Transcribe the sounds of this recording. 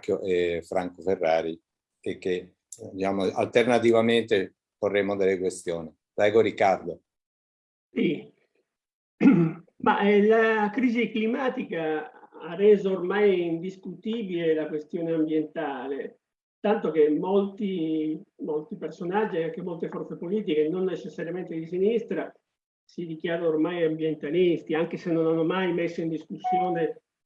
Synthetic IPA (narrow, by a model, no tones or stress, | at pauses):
kjoʔefɾaŋkoferːaːɾi | kekːe | d̪it͡ʃaːmoa̰lt̪ernat̪ivament̪e | porːemod̪elːekwest̪joːni | pɾɛːɡoɾikːard̪o | si | ma̰ʔɛlakɾiːziklimaːt̪ikaarːɛːzoːrmajind̪iskut̪iːbilelakwest̪joːneambjent̪aːle | t̪ant̪okemːolt̪i | molt̪ipersonad͡ʒːieaŋk̟emolt̪efɔrt̪sepoliːt̪̬ikenonːet͡ʃesːaɾjament̪ed̪isinist̪ɾa | sid̪ikjaːɾaormajambjent̪alist̪iaŋkesenːonanːomajmesːoind̪iskusːjoːne